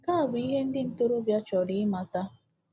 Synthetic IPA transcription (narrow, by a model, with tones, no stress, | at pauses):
ka˦a˨bi˦ɦe˦n̩˦dɪ˦n̩˦tʊ˦ɾʊ˦bja˦t͡ʃɔ˨dɪ˨˦ma˨ta˦